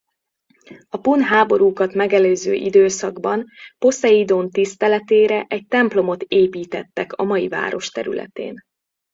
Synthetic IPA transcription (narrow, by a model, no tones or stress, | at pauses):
ɒpunɦaːbo̞ɾuːkɒt̪mɛɡɛløːzø̰ːʔid̪øːsɒɡbɒnpo̞sɛid̪oːnt̪ist̪ɛlɛt̪eːɾɛʔɛc̚t̪ɛmplo̞mo̞t̪eːpiːt̪ɛt̪ːɛkɒmɒjiva̰ːɾo̞ʃt̪ɛɾy̰lɛ̰t̪ḛːn